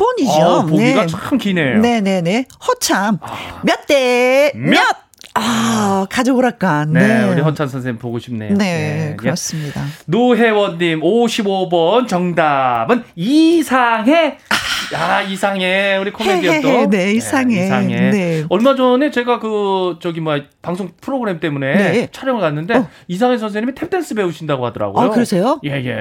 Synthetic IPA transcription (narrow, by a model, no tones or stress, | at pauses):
p͈ʌɲid͡ʑoponeiɡat͡ɕʰokʰɯmkinene̞ne̞ne̞hʌt͡ɕʰamːjʌt̚t͈emjʌt̚akad͡ʑooɾak͈annːeuɾihʌt͡ɕʰamsʰʌnsʰeŋipoɡoɕʰim̚nḛne̞kɯɾʌs͈ɯmɲida̰noɦe̞wʌnːimoɕʰibobʌnt͡ɕʌŋdamɯnisʰaŋɦe̞ | aisʰaŋe̞uɾikʰomeijʌt͈oneisʰaŋiesʰaŋeeʌɭmad͡ʑʌne̞t͡ɕe̞ɡakɯt͡ɕʌɡimapaŋsʰoŋpʰɯɾoɡɯɾe̞mt͈e̞mune̞t͡ɕʰaɾjʌŋɯɭkanːɯnde | is̬ʰaŋe̞s̬ʰʌns̬ʰeɲimitʰep̚t͈ʰe̞ns͈ɯbe̞uɕʰindaɡohadʌɾa̰ɡojokɯɾʌsʰe̞joje̞je̞̰